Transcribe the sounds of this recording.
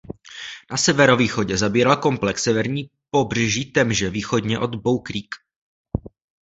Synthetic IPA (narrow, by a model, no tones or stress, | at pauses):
nasɛvɛɾo̞viːxo̞ɟɛzabiːɾalko̞mplɛksɛvɛɾɲiː | po̞br̝ɛʒiːt̪ɛmʒɛviːxo̞dɲɛʔo̞d̪bowkɾiːk